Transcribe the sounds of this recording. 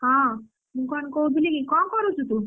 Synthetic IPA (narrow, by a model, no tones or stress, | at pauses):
ɦã | mũkɔnkoub̪ʱilikikɔnkɔɾut͡ʃʰut̪u